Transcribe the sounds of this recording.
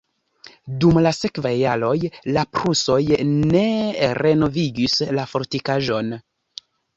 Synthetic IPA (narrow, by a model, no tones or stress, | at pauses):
dumlase̞kvajːalo̞jlapɾuso̞jne̞ɾe̞no̞viɡislafo̞ɾtikaʒo̞n